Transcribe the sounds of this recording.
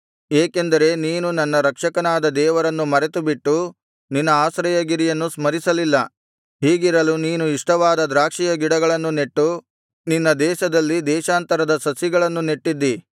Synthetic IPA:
eːkend̪ɐɾe̞niːnunɐnːɐɾɐkʂɐkɐnaːd̪ɐd̪ɛːʋɐɾɐnːumɐɾet̪ubiʈːu | ninːɐaːsɾɐjɐɡiɾijɐnːusmɐɾisɐlilːɐ | ɦiːɡiɾɐluniːnuiʂʈɐʋaːd̪ɐd̪ɾaːkʂijɐɡiɽɐɡɐɭɐnːuneʈːu | ninːɐd̪ɛːʃɐd̪ɐlːid̪ɛːʃaːnt̪ɐɾɐd̪ɐsɐsjiɡɐɭɐnːuneʈːid̪ːi

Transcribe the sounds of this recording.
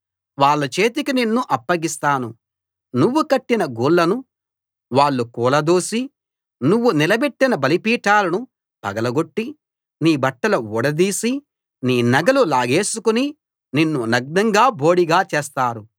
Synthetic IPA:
ʋaːɭːɐt͡ʃe̞ːt̪ikininːuʔɐpːɐɡist̪aːnu | nuʋːukɐʈːinɐɡuːɭːɐnu | ʋaːɭːukuːlɐd̪oːsi | nuʋːunilɐbeʈːinɐbɐlipiːʈaːlɐnu | b̥ɐɡɐlɐɡo̞ʈːi | niːbɐʈːɐlɐuːɽɐd̪iːsi | niːnɐɡɐlulaːɡe̞ːsukuni | ninːunɐɡ̚d̪ɐŋɡaːbo̞ːɽiɡaːt͡ʃɛːs̬t̪aːɾu

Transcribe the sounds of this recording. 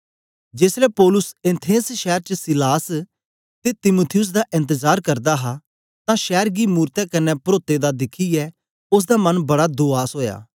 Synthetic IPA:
d͡ʒeːsɾɛpɔːlʊsɪ̃nt̪ʰeːsʃɛːɾt͡ʃəsɪlaːs | t̪et̪ɪmut̪ʰɪjʊs̬d̪aʔɪ̃nt̪əzaːɾkɐɾd̪aɦa | t̪ãʃɛːɾɡimuːɾt̪ɛkɐnːɛpɾoːt̪ed̪ad̪ɪkʰiɛ | ʊs̬d̪amɐnbɐɽad̪oːaːsɦoːja̰ː

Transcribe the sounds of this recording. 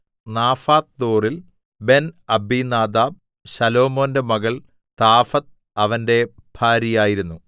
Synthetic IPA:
naːfaːt̪̚d̪o̞ːril | be̞nɐbiːnaːd̪aːb̚ | ɕɐlo̞ːmo̞ːnde̞mɐɣɐɭ | t̪aːfɐt̪̚ | ɐʋɐnde̞b̥ʱaːɾijaːjiɾunːu

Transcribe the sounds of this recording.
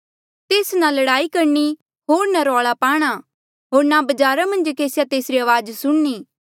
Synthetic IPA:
t̪eːsnalɐɽaːikɐɾni | ɦoːɾnaɾɔːɭapaːɽ̃a | ɦoːɾnabɐd͡ʒaːɾamɐ̃nd͡ʒkeːsjat̪eːsɾiɐʋaːd͡ʒsʊɽniː

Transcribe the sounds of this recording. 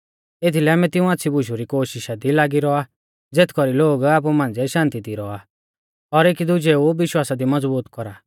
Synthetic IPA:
et̪ʰilɛaːmɛt̪ɪũaːtːsʰibʱʊʃuɾikoːʃɪʃad̪ilaːɡiɾɔa | d͡zeːt̪ʰkɔɾiloːɡaːp̬umãːnd͡zɛʃãːnt̪id̪iɾɔa | ɔɾeːkid̪ʊd͡ʒeuʋɪʃwaːsad̪imɐd͡zbuːt̪kɔɾa

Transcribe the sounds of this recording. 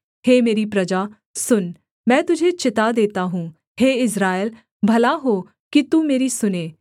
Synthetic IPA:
ɦeːmeːɾipɾɐd͡ʒaː | sʊn | mɛ̃ːt̪ʊd͡ʒʱet͡ʃɪt̪ad̪eːt̪aɦũː | heːɪsɾaːjəl | bʱɐlaɦo | kit̪umeːɾisʊneː

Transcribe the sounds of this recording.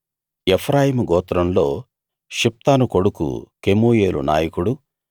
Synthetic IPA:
epʰɾaːjimuɡɔːt̪ɾɐmlo̞ː | ʃip̚t̪aːnuko̞ɽukṵkemoːje̞ːlṵna̰ːjɐkuɽu

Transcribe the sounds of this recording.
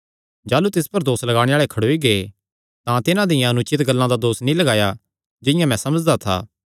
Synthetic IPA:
d͡ʒaːlut̪ɪspɐɾd̪oːslɐɡaːɽ̃eaːɭekʰɐɽoːiɡee | t̪ãt̪ɪnãd̪ɪjãɐnʊt͡ʃɪt̪ɡɐlːãd̪ad̪oːsnĩlɐɡaːja | d͡ʒɪ̃jãmɛ̃sɐməd͡ʒd̪at̪ʰa̰ː

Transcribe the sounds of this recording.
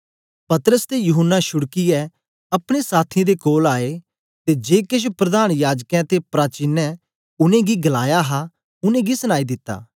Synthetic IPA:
pɐt̪əɾəst̪ejʊɦənːaʃʊɽkiɛ | ɐpɽ̃esaːt̪ʰĩd̪ekoːlaːe | t̪ed͡ʒeːkɪʃ̬pɾɐd̪aːñjaːd͡ʒkɛ̃t̪epɾaːt͡ʃɪnːɛ | ʊnẽɡiɡɐlaːjaɦa | ʊnẽɡisəñaːid̪ɪt̪ːa̰ː

